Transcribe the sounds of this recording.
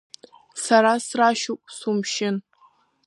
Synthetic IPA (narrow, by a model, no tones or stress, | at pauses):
saɾasraʃukʷʼsumʃɪn